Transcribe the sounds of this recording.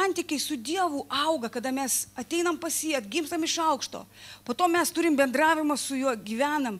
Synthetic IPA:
ɐnʲt̪ʲɪkʲɛɪsʊd̪ʲiɛʋuːʔɐʊɡɐkɐd̪ɐmʲɛsɐt̪ʲɛɪnɐmpɐsʲiɐt̪ɡʲɪmst̪ɐmɪʃɐʊkʃt̪o̰ː | poːt̪oːmʲɛst̪ʊɾʲɪmbʲɛnd̪ɾɑːʋʲɪmɐsʊjuɔɡʲiːʋʲæːnɐm

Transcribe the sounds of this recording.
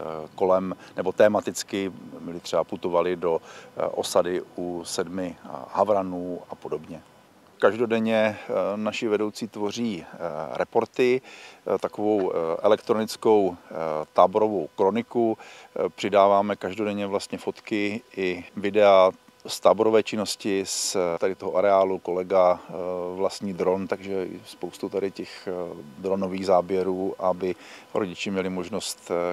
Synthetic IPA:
ko̞lɛmnɛbo̞t̪ɛːmat̪ɪt͡skɪmɪlɪt̪r̥ɛbaput̪o̞valɪdo̞ʔo̞̰sadɪusɛdmɪhavɾanuːapo̞do̞bɲɛ | kaʒdo̞dɛɲɛnaʃɪvɛdo̞wt͡siːt̪vo̞r̝iːɾʔɛpo̞ɾt̪ɪt̪akovo̞wʔɛlɛkt̪ɾo̞nɪt͡sko̞wt̪aːboɾo̞vowkɾo̞nɪkupr̝̥ɪdaːvaːmɛkaʒdo̞dɛɲɛvlast̪ɲɛfo̞t̪kɪʔɪvɪdɛa | st̪aːboɾovɛːt͡ʃɪno̞scɪst̪adɪt̪o̞ɦoʔaɾɛaːluko̞lɛɡa | vlast̪ɲiːd̪ɾo̞nt̪aɡʒɛ̰spowst̪ut̪adɪcɛxd̪ɾo̞noviːɣzaːbjɛɾuːʔabɪɾʔoɟɪt͡ʃɛmɲɛlɪmo̞ʒno̞st̪

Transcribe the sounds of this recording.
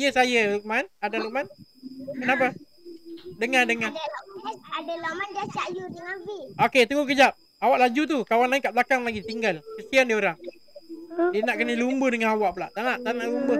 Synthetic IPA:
ijəsajəukmanadaɾuʔmankənap̬a | dəŋadəŋa | adəlɔmand͡ʒasaʔjudəŋabioket̪əŋʊk̬əd͡ʒap̚ | awaʔlad͡ʒut̪̬ukawanlaɪŋkaʔbəlakaŋlaɡit̪iŋɡalkəsiandioɾaŋ | diənaʔkənəlumbəhdəŋanawaʔpulaʔt̪anaʔt̪anaʔlumbə

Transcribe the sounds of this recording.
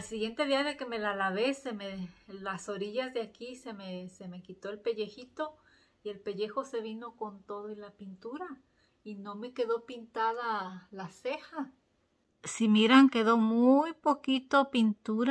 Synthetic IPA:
alsiɣje̞nt̪eðiaðe̞ke̞me̞lalaβesemelasoɾiʝazðeakisemeseme̞kit̪o̞elpe̞ʝe̞xit̪o̞ | ie̞lpe̞ʝe̞xo̞se̞βino̞ko̞nt̪oðoilapint̪uɾa | ino̞me̞ke̞ðo̞pint̪aðalasexa | simiɾaŋke̞ðo̞mujpokit̪opint̪uɾa

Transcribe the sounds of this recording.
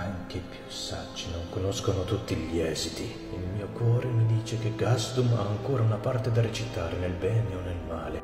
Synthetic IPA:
aŋk̟epjusad͡ʒːinoŋkonɔskonot̪ut̪ːiʎiɛːzit̪i | ilmiːokwɔːɾemid̪iːt͡ʃek̟eɡazd̪uma̰ːŋkoːɾaunapart̪ed̪aɾet͡ʃit̪aːɾenelbɛːneonːelmaːle

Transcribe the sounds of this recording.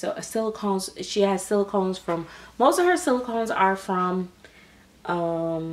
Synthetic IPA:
soʊʔəsɪlˠəkʰõʊ̃nz̥ʃiɨz̥sɪlˠəkʰõʊ̃nz̥fɹʌ̃mːoʊstʌv̥ə˞sɪlˠəkʰõʊ̃nzə˞fɹʌ̃m | ʔʌ̃m

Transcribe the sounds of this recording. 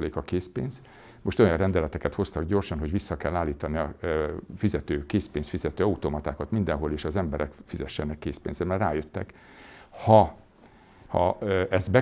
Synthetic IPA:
leːkɒkeːspḛːnz̥ | moʃt̪o̞jɒnrɛnd̪ɛlɛt̪ɛkɛt̪ho̞st̪ɒɡɟo̞rʃɒnɦo̞ɟʋisːɒkɛlːaːlːiːt̪ɒniɒfizɛt̪øːkeːspeːnsfizɛt̪øːɒut̪omɒt̪aːkɒt̪mind̪ɛnɦo̞leːʃɒzɛmbɛɾɛkfizɛʃːɛnɛkːeːspeːnzɛmɛrraːjøt̪ːɛ̰k | hɒ | hɒ̰ʔɛzbɛ

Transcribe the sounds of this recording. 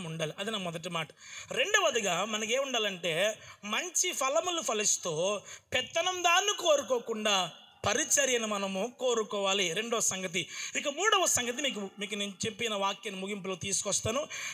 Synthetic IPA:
muɳɖaːliʔɐd̪inɐmɔd̪ɐʈ̬imaːʈɐ̥ɾe̞ɳɖuʋɐd̪ɐɡaːmɐnɐk̬eːmuɳɖaːlɐɳʈe̞ːmɐɲt͡ʃipʰɐlɐmulupʰɐlist̪oːpɛt̪ːɐnɐmd̪aːnːikoːɾukoːkuɳɖaː | pɐɾit͡ʃɐɾjɐnimɐnɐmukoːɾukɔːʋaːliɾe̞ɳɖɔʋɐsɐŋɡɐt̪̬iikɐmuːɽɐʋɐsɐŋɡɐt̪̬imiːk̬umiːk̬uneːnut͡ʃepːinɐʋaːkːenmuɡimploːt̪iːsu̥kɔst̪aːnu

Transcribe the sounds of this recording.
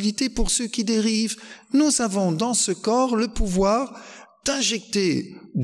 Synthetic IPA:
lit̪epuʁsøkʲid̪eʁivnuzavɔ̃d̪ɑ̃səkɔʁləpuvwaʁd̪̥ɛ̃ʒɛk̚t̪ed̪

